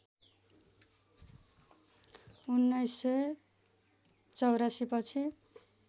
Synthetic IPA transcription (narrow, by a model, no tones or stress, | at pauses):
unːʌjsːʌj | t͡sʌwɾasipʌt͡sʰi